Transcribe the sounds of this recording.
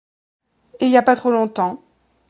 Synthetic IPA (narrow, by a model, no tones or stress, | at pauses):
iljapat̪χolɔ̃t̪ɑ̃